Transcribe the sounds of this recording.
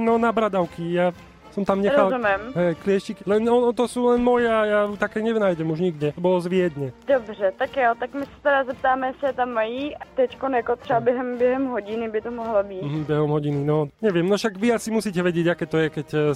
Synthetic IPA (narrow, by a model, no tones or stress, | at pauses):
nɔnabɾad̪aʊkija | sɔmt̪amɲɛxɾalzumjɛmɦɛjklɪɛʃiklɛnɔnɔt̪ɔsuːlɛnmɔjɛːjajut̪akɛːɲɛnaːjɟɛmuʒɲiɡɟɛɔbɔlɔzʋɪɛd̪ɲɛd̪ɔbrɛt̪akjɔt̪akmisḁt̪ɛɾazzɛp̚t̪aːmɛsɛt̪amːajiːat̪ɛckɔnɛkɔt̪t͡ʃabɛɦɛmbjɛɦɛmɦɔɟinibit̪ɔmɔɦlɔbim̩ɦm̩bɛɦɔmɦɔɟininɔɲɛʋɪɛmnɔʃaɡʋiasimusiːcɛʋɛɟɪɛɟakɛːt̪ɔjɛkɛc